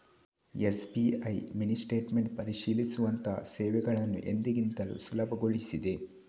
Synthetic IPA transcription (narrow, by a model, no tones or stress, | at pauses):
esbiɐjminisʈe̞ːʈmeɳʈ̚pɐɾiʂiːlisuʋɐnt̪ɐsɛːʋɛɡɐɭɐnːṵʔe̞nd̪iɡint̪ɐlṵsulɐbʱɐɡoɭisid̪e̞